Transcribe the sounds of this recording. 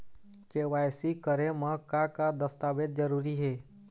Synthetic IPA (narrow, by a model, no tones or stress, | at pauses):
keːʋaːjsikəɾẽmə̃kakad̪əst̪aːbed̪̚d͡ʒəɾuːɾiɦɛː